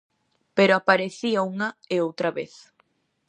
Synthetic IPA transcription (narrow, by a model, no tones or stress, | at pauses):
peɾoapaɾeθiauŋɐeowt̪ɾaβḛθ